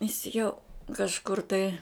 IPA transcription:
jɪs jɛʊ kɐʃˈkʊr tɐɪ

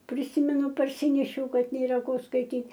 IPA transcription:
pʲrʲɪˈsʲiːmʲɛnʊ pɐrʲˈsʲɪnʲɛʃʲɛʊ ˈkɐt nʲeːˈrɐ ˈkoː skɐɪˈtʲiːtʲ

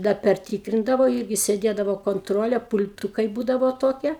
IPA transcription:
dɐ pʲɛrʲˈtʲiːkrʲɪndɐʋoː ˈiːrʲɡʲɪ sʲeːˈdʲeːdɐʋoː koːnˈtroːlʲeː pʊlʲˈtuːkɐɪ ˈbuːdɐʋoː ˈtoːkʲiɛ

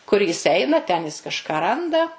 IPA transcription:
kʊr ˈjɪs ˈɛɪnɐ tʲɛn ˈjɪs kɐʃˈkɑː ˈrɐndɐ

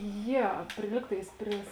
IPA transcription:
ˈjɛ ˈpʲrʲɪ ˈlʲiːk tɐɪs ˈpʲrʲɪs

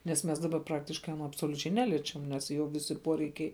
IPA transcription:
nʲɛs ˈmʲɛs dɐˈbɐ ˈprɑːktʲɪʃkɐɪ ɐˈnoː ɐpsoːlʲʊˈt͡ʃʲɛɪ ˈnʲæːlʲiɛt͡ʃʲɛm nʲɛs ˈjoː ˈʋʲɪsʲɪ ˈpuɔrʲɛɪkʲɛɪ

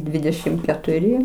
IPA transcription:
ˈdʲʋʲɪdʲɛʃʲɪm kʲɛtʊˈrʲɪ

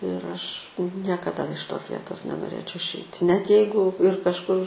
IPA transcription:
ɪr ˈɐʃ nʲiɛkɐˈdɐ ɪʃ ˈtoːs ˈʋʲiɛtoːs nʲɛnoːˈrʲeːt͡ʃʲɛʊ ɪʃʲˈɛɪtʲɪ nʲɛt ˈjɛɪɡʊ ɪr kɐʃˈkʊr

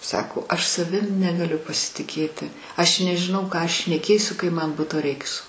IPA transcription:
ˈsɑːkoː ɐʃ sɐˈʋʲɪm nʲɛɡɐˈlʲʊ pɐsʲɪtʲɪˈkʲeːtʲɪ ˈɐʃ nʲɛʒʲɪˈnɐʊ ˈkɑː ˈɐʃ ʃʲnʲɛˈkʲeːsʲʊ kɐɪ ˈmɐn ˈbʊtoː ˈrʲɛɪks

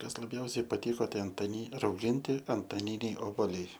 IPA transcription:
ˈkɐs lˠɐˈbʲjɛʊsʲɛɪ pɐˈtʲɪkoː ˈtɐɪ ɐntɐˈnʲɪ rɐʊˈɡʲɪnʲtʲɪ ɐntɐˈnʲɪnʲɛɪ oːboːˈlʲɛɪ

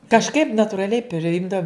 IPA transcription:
kɐʃˈkɐɪp nɐtʊrɐˈlʲɛɪ pʲrʲɪˈjɪmdɐʊm

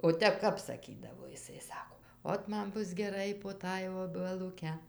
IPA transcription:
oː ˈtʲɛp ˈkɐp sɐˈkʲiːdɐʋoː jɪˈsɐɪ ˈsɑːkoː ˈoːt ˈmɐn ˈbʊs ɡʲɛˈrɐɪ poː ˈtɑːj oːbʲɛlˠʊˈkʲɛ

